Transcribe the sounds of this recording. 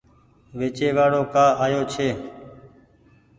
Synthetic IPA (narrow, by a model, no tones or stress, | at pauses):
ʋeːt͡ʃeːʋaːɽoːkaːaːjoːt͡ʃʰeː